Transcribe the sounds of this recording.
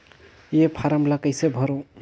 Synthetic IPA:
jepʰaɾəmlakəjsebʱɔɾo

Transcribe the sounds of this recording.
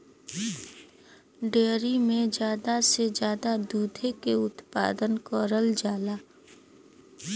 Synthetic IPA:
ɖeːɾimẽd͡ʒjaːd̪ased͡ʒjaːd̪ad̪uːd̪ʱekeʊt̪pa̰ːd̪ənkɔːɾəld͡ʒaːlaː

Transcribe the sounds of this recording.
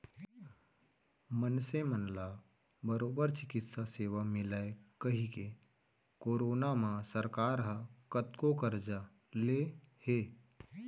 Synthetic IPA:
mənsemənla | bəɾoːbəɾt͡ʃɪkɪt̪saseːʋamɪlaekəɦike | koːɾoːnamãsəɾkaːɾɦəkət̪kokəɾd͡ʒa | le | heː

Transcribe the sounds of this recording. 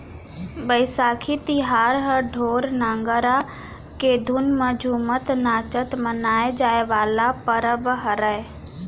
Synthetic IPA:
bəɪsaːkʰit̪iɦaːɾɦəɖʱoːɾnãːŋɡəɾa | ked̪ʱʊnməd͡ʒʱuːmət̪naːt͡ʃət̪mənaːed͡ʒaːeʋaːlapəɾəbəɦəɾəe

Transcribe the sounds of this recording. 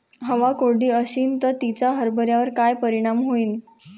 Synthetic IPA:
ɦəʋakoɽiːəɕiːnt̪ət̪it͡ɕaɦəɾbəɾjaʋəɾkajpəɾiɽ̃amɦoiːn

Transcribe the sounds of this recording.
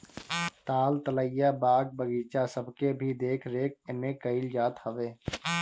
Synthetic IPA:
t̪aːlt̪ələjabaːɡ̚bəɡiːt͡ʃasəbʱkebʱid̪eːkʰɾeːk̚ɪmẽkəɪld͡ʒaːt̪həʋeː

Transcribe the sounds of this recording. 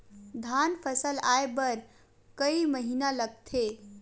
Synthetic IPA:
d̪ʱanpʰəsəlaːebəɾ | kəiməɦinaləɡ̚t̪ʰe

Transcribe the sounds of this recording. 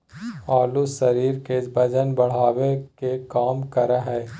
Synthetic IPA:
aːlusɐɾiːɾkebɐd͡ʒənbɐɽ̤aːwekekaːmkɐɾaɦɛː

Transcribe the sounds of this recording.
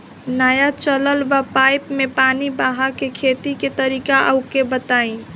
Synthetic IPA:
najat͡ʃələlbapajpmepanibaɦakekʰet̪iket̪əɾikaʔə̰ʊkebət̪aĩ

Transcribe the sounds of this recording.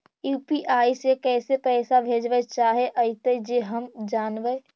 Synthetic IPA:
juːpiʔaːisekɛːsepɛːsabʱeːd͡ʒʋət͡ʃaːɦeʔəit̪ed͡ʒeːɦəmd͡ʒaːnʋe

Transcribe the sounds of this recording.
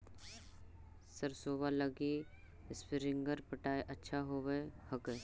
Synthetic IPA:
səɾsoːbaləɡi | spɪɾɪ̃ŋɡəɾpəʈaːeʔɐtːʃʰaɦoːʋehɐke

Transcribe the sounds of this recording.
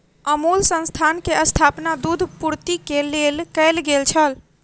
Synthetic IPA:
əmulsə̃nst̪ʰankeəst̪ʰapnad̪ud̪ʱpuɾt̪ikelelkəɪlɡelt͡ʃʰəl

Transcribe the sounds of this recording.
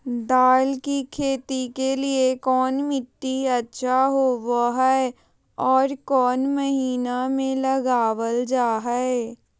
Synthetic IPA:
d̪aːlkikʰeːt̪ikeliekɔːnmɪt̪ːiɐtːʃʰaɦoʋaɦɛe | ɔːɾkɔːnmɐɦiːnamẽlɐɡaːʋəld͡ʒaːɦɛe

